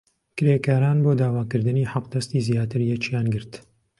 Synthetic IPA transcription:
kɨɾeːkaːɾaːnboːd̪aːwaːkɨɾd̪ɨniːħɑqd̪ɐst̪iːzjaːt̪ɨɾjɛt͡ʃijaːnɡɨɾt̪

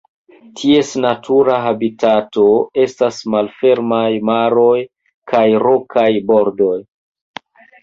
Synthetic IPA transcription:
tʰie̞snatʰuɾaɦabitʰato̞e̞stasmalfe̞ɾmajmaɾo̞j | kʰajɾo̞kʰajbo̞ɾdo̞j

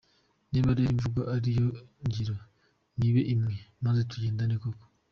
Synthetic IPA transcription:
niβaɾeiɱvuɡaʔaɾijoɲɟiɾo | niβeʔimŋemazet̪uɟeːndanikoko̥

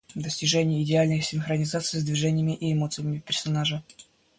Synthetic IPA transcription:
d̪əsʲtʲɪʐɛnʲɪjəɪdʲɪalʲnɨjsʲɪnxɾənʲɪzat̪sɨjzd̪vʲɪʐɛnʲɪjəmʲɪʔɪːmo̞t̪sɨjəmʲɪfpʲɪrsɐnaʐɨ

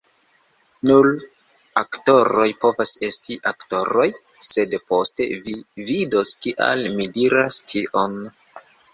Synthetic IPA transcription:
nul | akto̞ɾo̞jpo̞vase̞stiʔakto̞ɾo̞j | se̞dpo̞ste̞̰vividoskiʔa̰lmidiɾastʰiʔo̞n

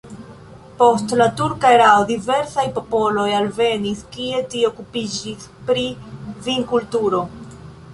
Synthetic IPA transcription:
po̞stlatuɾkaeɾaodive̞ɾsajpo̞po̞lo̞jalve̞niskie̞tieokupid͡ʒispɾiviŋkultuɾo̞

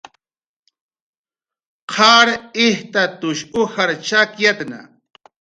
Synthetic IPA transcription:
qʰaːɾɪht̪at̪ʊʃʊhaɾt͡ʃakjat̪na̰

